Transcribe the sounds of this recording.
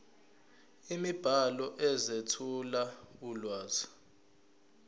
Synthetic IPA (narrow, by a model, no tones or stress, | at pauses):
imib̥ʱalɔʔɛzetʰulaulwaːz̥i̥